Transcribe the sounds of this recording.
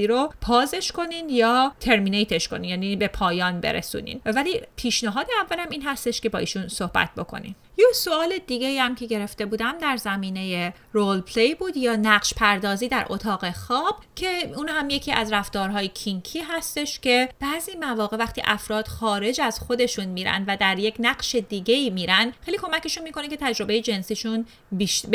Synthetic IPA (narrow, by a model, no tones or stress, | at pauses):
iːɾopʰɒːze̞ʃko̞ninjɒːt̪ʰe̞ɾminejt̪ʰeʃkoniːnjæːniːbe̞pʰɒːjɒːnbe̞̰ɾḛsṵːnḭːnvæliːpʰiːʃneɦɒːd̪eævːælæmiːnɦæst̪e̞ʃce̞bɒːʔḭːʃunso̞hbæ̰t̪̚ʰbo̞̰kʰo̞̰nḭn | joso̞ɒːle̞d̪iːɟe̞iːhæmcʰe̞ɟe̞ɾe̞ft̪e̞buːd̪æmd̪æɾzæmiːne̞je | ɾolpʰlejbuːd̪jɒːnæɢʃpʰæɾd̪ɒːziːd̪æɾʔo̞t̪ʰɒːɣe̞xɒːb̥cʰe̞uːnhæmje̞cʰiːʔæzɾæft̪ɒːɾɦɒːjecʰiŋkʰiːɦæst̪e̞ʃcʰe̞b̥æːziːmævɒːɣe̞væxt̪ḭːʔæfɾɒːd̪̥xɒːɾe̞d͡ʒæzxo̞d̪e̞ʃunmiːɾæ̰nd̪væd̪æɾje̞cʰnæɢʃe̞d̪iːɟe̞iːmiːɾænd̪xejliːkʰo̞mæce̞ʃunmiːkʰo̞necʰe̞t̪ʰæd͡ʒɾo̞be̞jed͡ʒe̞nsiːʃun | biʃ